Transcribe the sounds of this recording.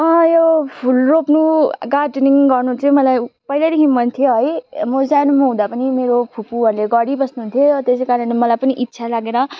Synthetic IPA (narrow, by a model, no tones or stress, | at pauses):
ʌjopʰulropnuɡaʈniŋɡʌrnut͡sʰʌ̃mʌlajpʌjlad̪ekʰimʌnt̪ʰjoɦʌjmod͡zanumʌɦũd̪apʌnimeɾopʰupuʌɾleɡʌɽibʌsnuɦunt̪ʰjot̪esejkaɾʌnlemʌlajpʌniʔit̪ːsʰalaɡeɾʌ